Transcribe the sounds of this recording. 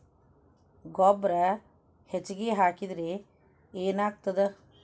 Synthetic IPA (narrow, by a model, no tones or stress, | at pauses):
ɡɔbɾɐ | het͡ʃɡeːɦaːkid̪ɾe | eːnaːk̚t̪ɐd̪ɐ